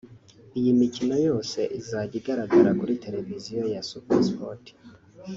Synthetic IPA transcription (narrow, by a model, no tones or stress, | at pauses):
ijimicino̞jo̞ːse̞ʔizaɟiɡaɾaɡaɾakuɾite̞ɾe̞vizijo̞jasupeɾspoti̥